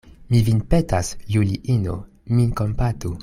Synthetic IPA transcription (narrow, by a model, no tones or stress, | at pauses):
mivinpetasjuliʔino̰ | minkompatu